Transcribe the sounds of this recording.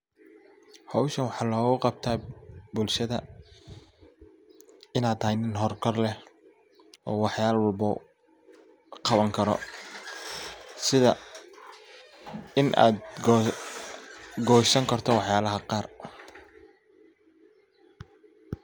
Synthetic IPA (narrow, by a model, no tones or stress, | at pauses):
hɑwʃɐnwɑħɑːlɔːɣʊqɑb̚t̪ʰaːbʊlʃɐðɐ | ɪnaːd̪ɐjnɪnɦɔrkʰɔrlɛh | ʔɔ̰ːwɑħjaːlwɐlbʊ̰ | qɑβɐŋkʰɐɾɔ̰ | sɪðɐ | ɪnʔa̰ːd̪ | ɡɔːʃɐŋkʰɐrt̪ʰɔwɑħjaːlɐɦɐqɑːr